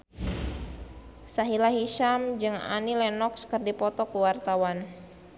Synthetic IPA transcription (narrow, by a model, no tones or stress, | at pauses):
saɦilaɦiʃamd͡ʒɨŋa̰nilɛnɔkskɨrdipɔt̪ɔkuwart̪awan